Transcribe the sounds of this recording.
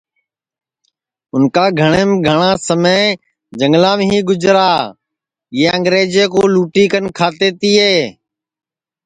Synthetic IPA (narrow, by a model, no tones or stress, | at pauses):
ʊnkaːɡʱəɳ̃eːmɡʱəɳ̃ãːsəme | d͡ʒəŋɡlãːmɦiːɡʊd͡ʒɾaː | ɪjeːəŋɡɾeːd͡ʒeːkoːluːʈiːkənkʰaːt̪eːt̪iːeː